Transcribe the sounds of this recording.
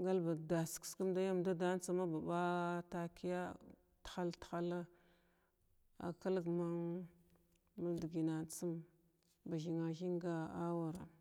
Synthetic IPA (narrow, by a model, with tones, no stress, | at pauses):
ɡa˦lba˨da˨skska˦m˦da˦ja˦mda˦da˦n˦t͡sa˦ma˦ba˨ba˦ta˨ki˦ja˦ | txa˦ltxa˦la˦ | a̰˨ka˦lɡma˦ŋ | ma˦di˨ɡi˨na˨nt͡sə˦m | ba˨ʒi˨ŋa˨ʒi˦ŋɡa˦a˦wa˨ɾa̰˨